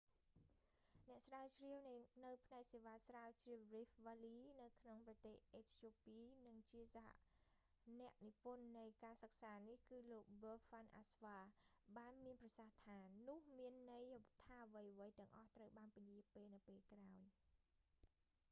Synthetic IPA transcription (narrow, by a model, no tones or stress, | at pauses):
nɛ̆əʔsraːət͡ɕriəwnnɨwpʰnaɛk̚seːʋaːsrawt͡ɕiərifʋaːliːnɨwkʰnoŋprɑt̪eːhʔeːt̪ʰjoːpiːnɨŋt͡ɕiəsaha̰ʔ | nɛ̆əʔnipʊənːɨjkaːsək̚saːnihkɨːloːk̚ʋəːfanʔa̰sʋaːɓaːnmiənprɑsaht̪ʰaːnʊ̆əhmiənːɨjt̪ʰaːəʋəjəʋəjt̪ɛ̆əŋʔɑht̪rəwɓaːnpajiəpeːlnɨwpeːlkraɔj